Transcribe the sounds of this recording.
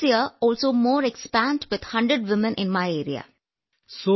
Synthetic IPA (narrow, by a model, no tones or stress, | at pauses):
jiəɔːlsoːmoːɾekspæ̃ːɳɖʋɪd̪̥hʌ̃ɳɖɾəɖʋɪmə̃nʔɪ̃nmaɪeːɾḭa̰ | so